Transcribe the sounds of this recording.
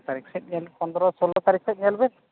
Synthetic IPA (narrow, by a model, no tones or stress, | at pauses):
t̪aɾiksɛt̪̚nalpɔnd̪ɾɔsolɔt̪aɾikʰsɛt̪nialben